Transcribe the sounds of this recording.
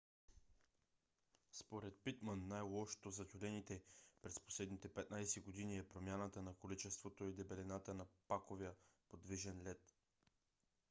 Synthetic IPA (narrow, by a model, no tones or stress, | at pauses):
spoɾɛt̪̚pit̪mənːajlˠɔʃo̥t̪ozɐt̪ʲulɛnit̪ɛpɾɛspo̥slɛd̪nit̪ɛpɛt̪najsɛɡod̪iniɛpɾomʲjanət̪ənɐkolit͡ʃɛst̪vot̪oid̪ɛbɛlɛnat̪ənɐpakovɛəpod̪viʒɛnlɛt̪